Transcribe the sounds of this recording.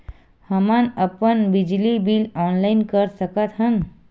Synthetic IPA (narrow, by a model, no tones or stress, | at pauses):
həmanəpənbid͡ʒlibilɔːnlainkəɾsəkət̪ɦən